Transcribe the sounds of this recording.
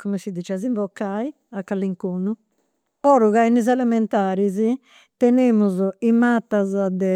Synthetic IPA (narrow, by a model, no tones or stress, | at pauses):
kumɛsid̪it͡ʃɛziɱvɔkːai | akːalːiŋkoːnu | ɔɾuɣainizɛlɛmɛnt̪aːɾizi | t̪ɛnemuzɔimat̪ːazad̪ɛ